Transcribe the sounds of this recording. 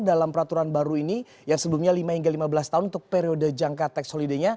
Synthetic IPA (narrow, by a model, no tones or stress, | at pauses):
dalampəɾat̪uɾanbaɾuini | jaŋsəbəlumɲalimahiŋɡalimabəlast̪aɦʊnunt̪ʊk̚peɾiodəd͡ʒaŋkat̪ɛksholideɲa